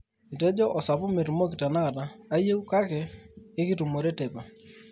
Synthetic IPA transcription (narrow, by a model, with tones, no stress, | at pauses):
i˨te˦d͡ʒɔ˦ʔɔ˨sa˨pʊ˦me˨tu˨mo˦ki˨ta˨na˦ka˨taː˨˦je˦u˦ka˦keː˨˦ki˦tu˨mo˨ɾe˦te˨pa˨